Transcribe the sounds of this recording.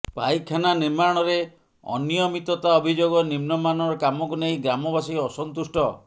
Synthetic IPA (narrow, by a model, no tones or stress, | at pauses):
pa̰jkʰananiɾmaɽ̃ɔɾe | ɔ̰nijɔmit̪ɔt̪aɔbʱid͡ʒoɡɔnimnɔmanɔɾɔkamɔkunejɡɾamɔbasiɔsɔnt̪usʈɔ